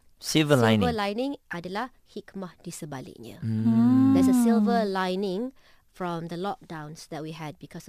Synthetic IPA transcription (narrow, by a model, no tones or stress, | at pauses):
silvəlã̰j̃nṽəlãjnĩŋʔadəla | hikmahd̥isəbalḭʔnə̰ | d̪ɛsəsilvəlãjnɪ̃ŋ | fɹɔ̃md̪əlɔk̚dãw̃nsd̪ɛt̚wiɦɛd̚bikʰɔs